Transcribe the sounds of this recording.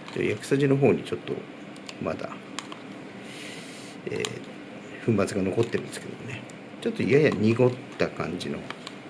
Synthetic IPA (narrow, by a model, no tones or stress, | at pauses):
d͡ʑo̰jakɯ̟̥saʑino̞ɦo̞ːɲ̟it͡ɕo̞t̪ːo̞̰ | ma̰d̪a̰ | ḛː | ɸɯ̟̃mbat͡sɨɡano̞ko̞t̪ːe̞ɾɯ̟nesɨ̥ke̞d̪omone | t͡ɕo̞t̪ːo̞ijajaɲ̟ʲiɡo̞t̪ːakã̰ɲ̟d͡ʑino̞̰